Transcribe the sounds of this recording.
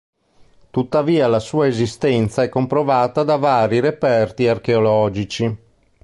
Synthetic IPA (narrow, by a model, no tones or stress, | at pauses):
t̪ut̪ːaviːalasuːaezist̪ɛnt̪saɛkːompɾovaːt̪ad̪avaːɾiɾepɛrt̪iarkeolɔːd͡ʒit͡ʃi